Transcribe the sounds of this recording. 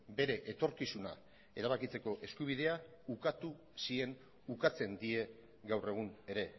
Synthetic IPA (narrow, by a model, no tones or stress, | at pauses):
be̞ɾe̞ʔet̪o̞ɾkisuna̰ | e̞ɾaβ̞akit͡se̞ko̞ʔe̞skuβ̞ið̞e̞a | ukat̪u | sie̞n | ukat͡se̞nd̪ie̞ | ɡawre̞ɣ̞une̞ɾe̞